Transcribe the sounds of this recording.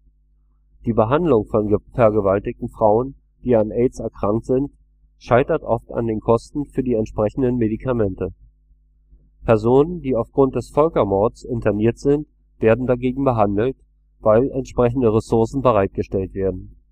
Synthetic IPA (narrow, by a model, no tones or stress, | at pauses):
d̥iːbəɦandlʊŋfɔnfɛɐɡəvaltɪk̚tn̩fʁ̥aʊən | d̥iːanʔɛsɛɐkʁ̥aŋk̚tz̥ɪnt | ʃaɪtɐtʔɔfta̰ndeːnkʰɔstn̩fyːɐdiːɛntʃpʁ̥ɛçn̩dənmedikʰamɛntə | pʰɛɐzoːnəndiːaʊfɡ̥ʁʊnt̚d̥ɛsfœlkɐmɔɐdəsɪntʰɐniːɐtz̥ɪnt | v̥eːɐdn̩daɡeːɡŋ̩bəɦandl̩t | vaɪlʔɛntʃpʁ̥ɛç̬n̩dəʁesʊɐsn̩bəʁ̞aɪt̚ɡ̥əʃtɛltv̥eːɐdn̩